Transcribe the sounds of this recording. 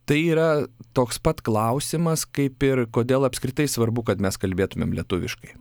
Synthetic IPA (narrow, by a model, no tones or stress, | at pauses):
t̪ɐɪiːɾɐt̪oːkspɐt̪klˠɐʊsʲɪmɐskɐɪpɪɾkoːd̪ʲeːlˠɐpʲskɾʲɪt̪ɐɪsʋɐɾbʊkɐt̪mʲɛskɐlʲbʲeːt̪ʊmʲḛmlʲiɛt̪ʊʋʲɪ̰ʃkɐɪ